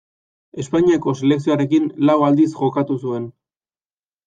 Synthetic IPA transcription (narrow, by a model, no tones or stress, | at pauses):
e̞spaɲiako̞sele̞ksioaɾe̞kinlawald̪isʝo̞kat̪usue̞n